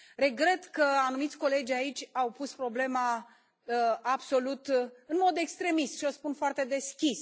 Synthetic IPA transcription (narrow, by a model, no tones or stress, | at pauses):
ɾe̞ɡɾe̞t̪kəanumit̪sʲko̞le̞d͡ʒʲait͡ʃʲawpuspɾo̞ble̞ma | abso̞lut̪ɨnmo̞d̪e̞kst̪ɾe̞mist̪ʃiospunfoart̪e̞d̪e̞skʲis